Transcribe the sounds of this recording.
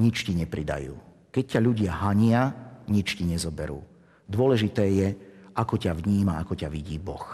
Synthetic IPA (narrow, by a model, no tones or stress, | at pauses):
ɲit͡ʃciɲɛpɾid̪a̰jṵː | kɛc̚cːaʎuɟɪaɦaɲɪaɲit͡ʃciɲɛzɔbɛɾṵː | d̪ʊɔlɛʒit̪ɛːjɛʔakɔcaʋɲiːmaakɔcaʋiɟiːbɔx